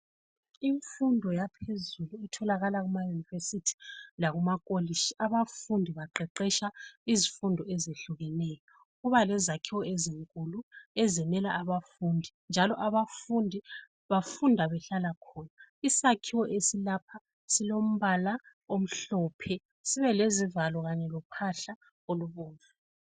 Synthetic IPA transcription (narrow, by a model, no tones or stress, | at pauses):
iɱfundʱɔjapʰezuluitʰɔlaɣalaɣumajunivesitʰi̥laɣumakʼoliʃiaβafundʱiβaǃɛǃɛʃaizifundʱɔɛzeɬuɣɛnɛjɔ | ɣuβalɛzakʰiwɔɛziŋkʼuluɛzɛnɛlaːβafundʱind͡ʒʱalɔʔaβafundʱi | βafundʱaβɛɬalakʰɔːnaisakʰiwɔʔesilapʰa | silom̩βala | om̩ɬɔːpʰɛ | siβɛlezivalɔɣaɲɛlɔpʰaɬa | oluβuːɱva